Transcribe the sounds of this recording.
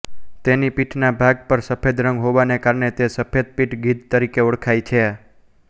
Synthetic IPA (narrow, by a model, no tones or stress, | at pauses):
t̪enipiʈʰnabʱaɡ̚pəɾsəpʰed̪ɾə̃ŋɡɦoʋanekaɾɳet̪esəpʰed̪̚piʈɡid̪̚t̪əɾikeoɽkʰajt͡ʃʰe